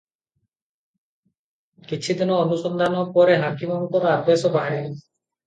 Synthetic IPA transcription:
kit͡ʃʰid̪inɔːnusɔnd̪ʱanɔpɔɾeɦakimamkɔɾɔad̪esɔbʱaɾi

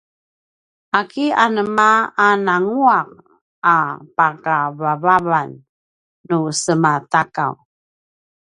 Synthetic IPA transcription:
akianəmaːnaŋuaq̚ | apakavavavanː | usəmataka̰w

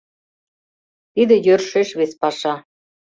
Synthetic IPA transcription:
t̪id̪ĕjørʃeʃβespɑʃɑ

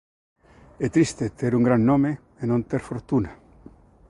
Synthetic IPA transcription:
et̪ɾist̪et̪eɾuŋɡɾanːõme | enõnt̪eɾfoɾt̪una

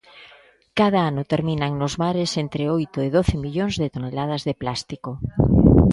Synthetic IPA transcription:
kað̞aanot̪eɾmĩnaŋnozmaɾesent̪ɾeojt̪oeð̞oθemiʎoŋzðet̪onelað̞azðeplast̪iko

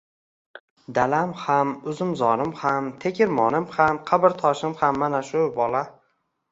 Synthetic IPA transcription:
d̪alamhamʊzɪmzɒɾɪmhamt̪ʰekʲʰɪɾmɒnɪmhamqʰabɪɾt̪ʰɒʃɪmhamːanaʃʊbɒla

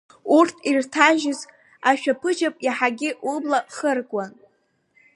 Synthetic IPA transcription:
urtʰirtʰaʒɪz | aʃᶣapʰɨd͡ʒapʼjaħaɡʲɪʔublaχərkʼan

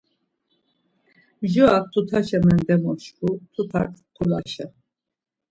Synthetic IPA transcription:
ʒuat̪ʰːut̪ʰaʃɛmɛnd̪ɛmɔʃkut̪ʰup̪ʰa̰kʰqʰulaʃɛ

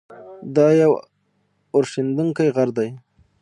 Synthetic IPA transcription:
d̪ɑjaw | ʊɾʃind̪uŋkajɣaɾd̪aj

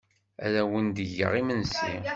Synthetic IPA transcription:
æ̰ɾæwənd̪əʝə̰ʁimənsi

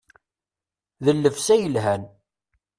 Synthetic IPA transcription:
ðəlːəfsæjəlɦæn

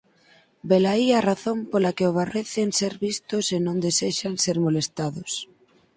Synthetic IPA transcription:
belaiaraθompolakeoβ̞areθenseɾβist̪ʊsenõnd̪eseʃanseɾmolest̪aðʊs

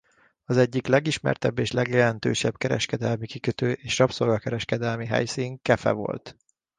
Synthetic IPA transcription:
ɒzɛɟːiklɛɡiʃmɛ̰rt̪ɛbːeːʃlɛɡjɛlɛnt̪ø̰ːʃɛbkɛɾɛ̰ʃkɛd̪ɛlmikikøt̪øːʔeːʃrɒpsorɡɒkɛɾɛʃkɛd̪ɛlmiɦɛ̰jsiːŋkɛfɛ̰vo̞̰lt̪

